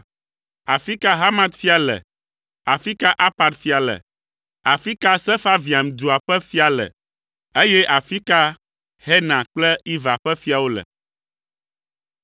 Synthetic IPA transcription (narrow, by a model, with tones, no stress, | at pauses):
a˨fi˦ka˦ɦa˦mã˦t̪fi˦a˨lɛ̰˨ | a˨fi˦ka˦ʔa˦pa˨d̪fi˦a˨lə̰˨ | a˨fi˦ka˦sɛ˦fa˦vi˨a˨m˨d̪u˨a˨ɸɛ˦fi˦a˨lə̰˨ | e˦jɛ˦ʔa˨fi˦ka˦ | hɛ˦nã˨k͡plɛ˦i˦va˨ɸɛ˦fi˦a˨wo˦lɛ̰˨